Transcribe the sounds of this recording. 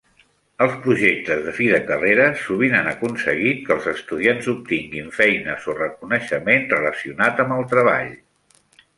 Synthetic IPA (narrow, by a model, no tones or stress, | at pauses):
əlˠspɾuʒek̚t̪əzðəfiðəkəreɾəsuβ̞inanəkunsəɣ̞it̪̚kəlˠzəst̪uðianzup̚t̪iŋɡiɱfɛjnəzorəkunəʃəmenrələsiunat̪əmbəlˠt̪ɾəβ̞a̰ʎ